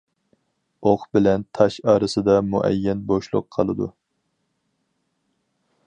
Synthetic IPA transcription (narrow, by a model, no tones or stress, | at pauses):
oχbɪlɛnt̪ʰɑʃɑːɾɨsɨd̪ɑmuʔɛ̰jːɛnboʃlˠʊ̰qʰːɑlˠɨd̪u